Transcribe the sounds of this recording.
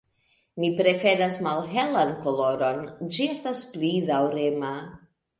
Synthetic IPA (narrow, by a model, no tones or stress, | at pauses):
mipɾe̞fe̞nasmalɦe̞lanko̞lo̞ɾo̞nd͡ʒie̞stasplidawɾema